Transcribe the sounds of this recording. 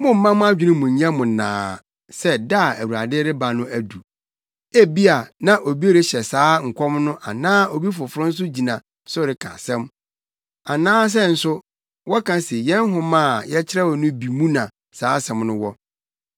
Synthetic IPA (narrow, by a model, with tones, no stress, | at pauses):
mʊ̃˦m̩˦mã˦mʊ̃˦a˦d͡ʑᶣɪ˦nɪ̃˦mʊ̃˨ɲ̩˨ɲã˦mʊ̃˨nã̰ː˨˦ | sɛ˦da˦˨æ˨wu˨ɾa˨dɪ˦ɾɪ˦ba˨nʊ̃˦æ˨du˨ | æ˦bi˦a˨nã˦ʔo˨bi˦e˦ɾɪ˦ɕɛ˨saː˨˦ŋ̩˨kʷʰɔ˦mnʊ̃˦ʔa̰˨nãː˦o˨bi˦fʊ˨fʊ˦ɾʊ̃˦n̩˦s̬ʊ˦d͡ʑi˨nã˨ | sʊ˦ɾɪ˨kʰã̰˨sɛ̃˦m | a˨nãː˦s̬ɛ˦n̩˨sʊ˦ | wɔ˦kʰã˦sɪ˨jɛ̃˦nɦʊ̃˦mãː˦˨jɛ˦t͡ɕʰɪ˦ɾɛ˦wɔ˨nʊ̃˦bi˨mũ˦nã˨ | saː˨˦sɛ̃˨mnʊ̃˦wɔ˦